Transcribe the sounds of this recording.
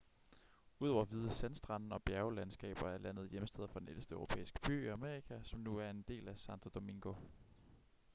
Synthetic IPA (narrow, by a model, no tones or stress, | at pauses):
uðˠɒ̰ʊɐʋið̞ˠəsensd̥ʁɑ̈nn̩ɒ̽b̥jæɐʊlænsɡ̥ɛ̰ːb̥ɐæɐlæn̰ð̞̩ˠjeməsd̥eð̞̰ˠɐfɒ̽d̥enelsd̥əœʊʁo̝pʰḛːisɡ̥ə̥b̥y̰ːiæme̝ːʁikʰæsɒ̽mnuæɐe̝nd̥e̝̰ːlæsɑnt͡sʰo̝d̥o̝me̝ŋɡ̥o̝